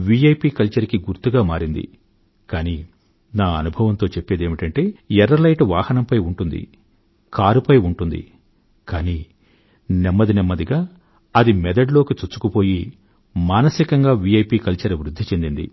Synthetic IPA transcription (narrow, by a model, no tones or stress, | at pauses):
ʋiɐjpiːkɐlt͡ʃɐɾkiɡuɾt̪uɡaːmaːɾind̪ḭ | kaːniː | naːɐ̰nubʱɐʋɐnt̪o̞ːt͡ʃepːe̞ːd̪eːmiʈɐɳʈe̞ːɛɾɐlɐjʈʋaːhɐnɐmpɐjuɳʈund̪ḭ | kaːɾupɐjuɳʈund̪ḭ | kaːniː | nɛmːɐd̪inɛmːɐd̪iɡaː | ɐd̪imɛd̪ɐɖlo̞ːkit͡ʃut͡ʃːu̥kupo̞ːji | maːnɐsikɐŋɡaːʋiɐjpiːkɐlt͡ʃɐɾɐʋɾud̪ʱːit͡ʃe̞nd̪ind̪ḭ